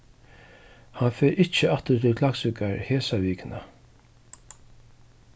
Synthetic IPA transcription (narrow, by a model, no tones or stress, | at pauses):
hɑnfɛɾʔɪt͡ʃəɑt̪əɾt̪ʰɪlkʰlaksʏkaɹheːsaʋiːkɪnə